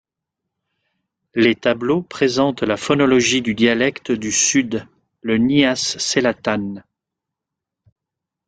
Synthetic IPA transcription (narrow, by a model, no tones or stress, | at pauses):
let̪ablopχezɑ̃t̪lafɔnɔlɔʒid̪yd̪jalɛkt̪d̪ysyd̪ | ləniasːelat̪an